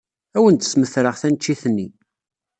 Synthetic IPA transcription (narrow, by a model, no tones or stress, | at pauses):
æwənt̪ə̥sməθɾəʁθænt͡ʃːiθənːi